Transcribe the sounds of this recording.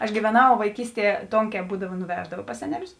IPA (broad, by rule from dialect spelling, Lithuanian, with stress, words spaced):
ɐʃ ɡʲiːʋʲɛˈnɐʊ ʋɐɪˈkʲiːsʲˌtʲiɛ ˈtoːŋʲˌkʲɛː ˈbuːdɐʋɐ nʊˈʋʲæːʒdɐʋɐ pɐs ˈsʲæːnʲɛˌlʲʊs